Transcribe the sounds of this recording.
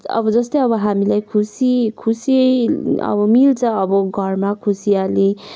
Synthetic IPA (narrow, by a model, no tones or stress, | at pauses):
ʌ̰bʌd͡zʌst̪ʌjʌbʌɦamilajkʰusikʰusiʌjʌ̰bʌmilt͡sʰʌʌbʌɡʱʌrmakʰusijale